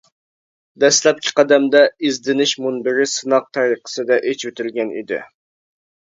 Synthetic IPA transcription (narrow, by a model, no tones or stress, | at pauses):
d̪ɛslɛp̚kʲʰɪ̥qʰɑd̪ɛmd̪ɛizd̪ɪnɪʃmunbɪɾɪsɨnɑq̚t̪ʰæɾiqə̥sɨd̪ɛʔet͡ʃwøt̪ʰɪlɡʲɛnḭd̪ɪ̰